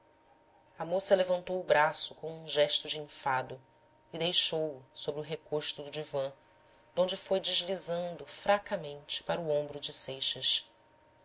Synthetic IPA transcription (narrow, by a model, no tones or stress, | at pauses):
ɐmosɐlevɐ̃nt̪owʊbɾasʊkõw̃ũʒɛʃt̪ʊd͡ʒɪĩfad̪ʊ | ɪd̪ejʃowʊsobɾɪʊɦekoʃt̪ʊd̪ʊd͡ʒivɐ̃ | d̪̥õnd͡ʒɪfojd͡ʒɪʒlizɐ̃nd̪ʊfɾakɐmẽnt͡ʃɪ̥paɾʊõmbɾʊd͡ʒɪsejʃɐʃ